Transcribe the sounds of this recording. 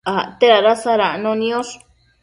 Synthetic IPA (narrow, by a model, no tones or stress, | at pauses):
at̪eɾaɾasaɾanõnĩoʂ